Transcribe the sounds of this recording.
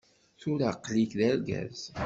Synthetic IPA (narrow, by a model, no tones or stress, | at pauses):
θʊɾaqlikðæɾɡæ̰z